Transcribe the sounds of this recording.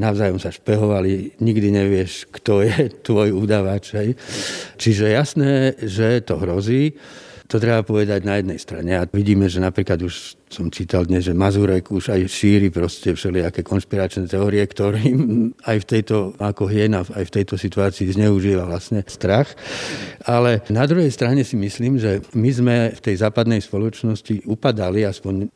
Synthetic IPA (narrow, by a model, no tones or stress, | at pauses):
naʊzaːjɔmsaʃpɛɦɔʋaliɲiɡd̪iɲɛʋɪɛʃkt̪ɔjɛt̪ʋɔjuːd̪aʋat͡ʃɦɛjt͡ʃiʒɛɛjasnɛːʒɛt̪ɔɦɾɔziːt̪ɔt̪ɾɛbapɔʋɛd̪aɟnajɛd̪nɛjst̪ɾa̰ɲɛaʋiɟiːmɛʒɛnapɾiːklad̪uʃ | sɔmt͡ʃiːt̪ald̪ɲɛzʒɛmazuɾɛkuʒajʃiːɾipɾɔscɛfʃɛliakɛːkɔnʃpiɾat͡ʃnɛt̪ɛɔːɾiɛkt̪ɔɾiːmajft̪ɛjt̪ɔakɔɦɪɛnaajft̪ɛjt̪ɔsit̪uaːt͡siːzɲɛuʒilaʋlasɲɛst̪ɾax | alɛnad̪ɾuɦɛjst̪ɾaɲɛsimisliːmʒɛmizmɛft̪ɛjzaːpad̪nɛjspɔlɔt͡ʃnɔsciupad̪aliaspɔɲ